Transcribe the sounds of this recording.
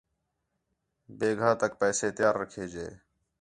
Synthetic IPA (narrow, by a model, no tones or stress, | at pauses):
beːɡʱãːt̪ək̚pɛːseːt̪jaːɾːəkʰeːd͡ʒḛː